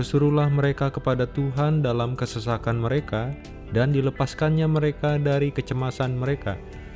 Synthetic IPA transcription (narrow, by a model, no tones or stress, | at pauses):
bərsuɾulahməɾekakəpadat̪uɦandalamkəsəsakanməɾeka | dandiləpaskanɲaməɾekadaɾikət͡ʃəmasanməɾeka̰